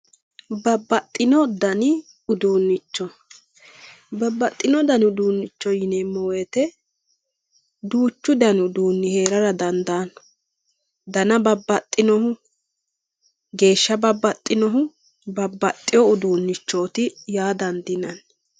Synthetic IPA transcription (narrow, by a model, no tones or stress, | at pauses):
bɐbːɐt̪ʼːɪnɔd̪ɐnɪ | ʊd̪uːnːɪt͡ʃːɔ | bɐbːɐt̪ʼːɪnɔd̪ɐnʊd̪uːnːɪt͡ʃːɔjɪnemːɔweːt̪ɛ | d̪uːt͡ʃːʊd̪ɐnʊd̪uːnːɪhe̞ːɾɐɾɐd̪ɐnd̪aːn | d̪ɐnɐbɐbːɐt̪ʼːɪnɔhʊ | ɡe̞ːʃːɐbɐbːɐt̪ʼːɪnɔɦʊ | bɐbːɐt̪ʼːɪjɔʊd̪uːnːɪt͡ʃːo̞ːt̪ɪjaːd̪ɐnd̪ɪnɐn